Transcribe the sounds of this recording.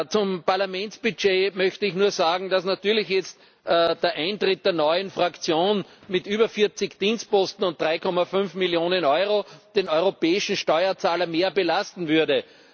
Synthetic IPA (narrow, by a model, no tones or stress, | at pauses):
t͡sʊmpaɐlamɛ̃nt͡sb̥yt͡ʃeːmœçtəɪçnuːɐzaːɡŋ̩d̥asnatyːɐlɪçjɛt͡st | d̥eːɐʔãɪ̃ntʁɪt̚d̥eːɐnɔʏənfʁakt͡sjoːnmɪtʔyːbɐfɪɐt͡sɪçd̥iːnst̚pɔstn̩ʊ̃nt̚d̥ʁaɪkʰɔmafʏnfmiljoːnənɔʏʁod̥enɔʏʁopɛːɪʃn̩ʃtɔʏɐt͡saːlɐmeːɐbəlastn̩vʏɐdə